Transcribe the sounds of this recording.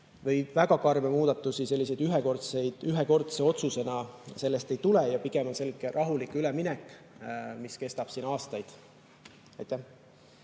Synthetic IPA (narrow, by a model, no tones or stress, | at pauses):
vɤ̞jvæɡ̥ɑkɑrmemuːd̪̥ɑt̪ːˑusise̞lːise̞jd̪yɦeko̞rt̪sejd̪̥yɦeko̞rt̪se̞o̞t̪suse̞nɑse̞lːest̪ejt̪ulejɑpiɡ̥e̞mo̞nse̞lɡ̥erʔɑɦulikˑylɛminɛkːˑ | miske̞st̪ɑb̥siːnɑːst̪ɑjd̪̥ | ɑjt̪ːˑæh